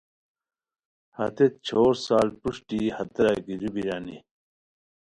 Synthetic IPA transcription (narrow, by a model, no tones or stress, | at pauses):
hɐ̰t̪et̪̚t͡ɕʰoːɾsaːlpuʂʈihɐt̪ɾaɡiɾubiɾaːnḭ